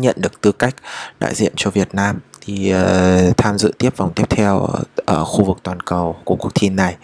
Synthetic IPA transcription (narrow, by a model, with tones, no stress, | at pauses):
ɲə̰˧˨nɗɨ˨˩ək̚t̪ɨ˧ka˦˥jk̟̚ɗa̰ː˧˨jzḭ˧˨ənt͡ɕɔ˧vi˨˩ət̚naː˧mt̪ʰi˨˩˧t̪ʰaː˧mzɨ̰˧˨t̪i˦˥əp̚va˨˩wŋ͡mt̪i˦˥əp̚t̪ʰɛ˧wʔəː˧˩xu˧vɨ˨˩k̚t̪waː˨˩nkə˨˩wku˧˩əku˨˩ə˩t̪ʰi˧nːa˨˩j